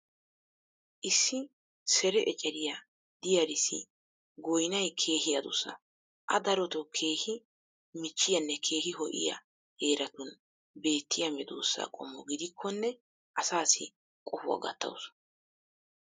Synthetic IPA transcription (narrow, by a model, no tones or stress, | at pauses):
ʔɪsːɪ | sɛɾɛʔɛt͡ʃʼɐɾɪjɐ | d̪̥ɪjɐɾɪsːɪ̰ | ɡɔjnɐjkʰe̞ːhɪjɐd̪ʊsːɐ̰ | ʔɐd̪ɐɾɔt̪ɔkʰe̞ːhɪ | mɪt͡ʃːɪjɐnːɛkʰe̞ːɦɪɦɔʔɪ̰jɐ̰ | he̞ːɾɐt̪ʊn | be̞ːt̪ːɪjɐmɛd̪o̰ːsːa̰kʼɔ̰mːɔɡɪd̪ɪkʰːɔnːɛ | ʔɐsaːsɪ | kʼɔfʊwɐ̰ɡɐ̰t̪ːɐ̰wʊs